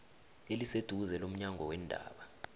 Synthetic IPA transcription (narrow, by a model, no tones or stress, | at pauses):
elised̥ʱuzɛlom̩ɲaŋʱɔwɛndʱa̰ːɓa